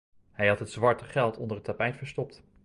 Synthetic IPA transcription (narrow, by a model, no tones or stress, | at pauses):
hɛjɦɑtɦətzʋɑɹtəχɛlˠtɔndəɹətapɛjtfəɹstɔp̚t